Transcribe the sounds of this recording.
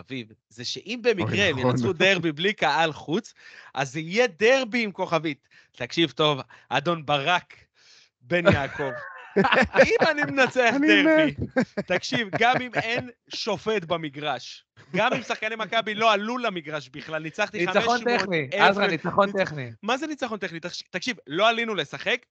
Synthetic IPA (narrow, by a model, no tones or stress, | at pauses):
aviv | zeʃeʔimbemikʁeenat͡sud̪eʁbiblikaʔalχut͡sʔazijed̪eʁbiːmko̞χavit̪ | takʃivt̪o̞v | ʔa̰d̪o̞nbaʁak | be̞njaːko̞v | imanimenat͡seadeʁit̪akʃivɡamimenʃo̞fe̞t̪bamiɡʁaʃ | ɡamimsaχkanemakabilo̞alulamiɡʁaʃbiχlalnit͡saχt̪iχameʃot̪enieazʁanit͡saχont̪eχnimazenit͡saχo̞nt̪eχnit̪aʃt̪akʃivlo̞alinule̞saχe̞k